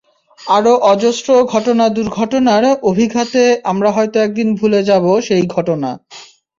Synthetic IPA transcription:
aɾoʔɔd͡ʑosʈɾoɡʱɔʈonad̪uɾɡʱɔʈonaɾobʱiɡʱat̪eamɾaɦɔet̪oɛk̚d̪inbʱuled͡ʑaboʃejɡʱɔʈona

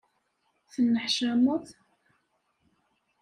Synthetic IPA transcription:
θənːəħʃæmʊθ

